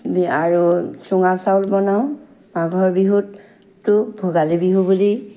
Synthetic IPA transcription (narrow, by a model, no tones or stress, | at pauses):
biaɹusuŋasawlbɔnaʊ̃ | maɡʱɔɹbiɦut | tːʊbʱoɡalebiɦubuli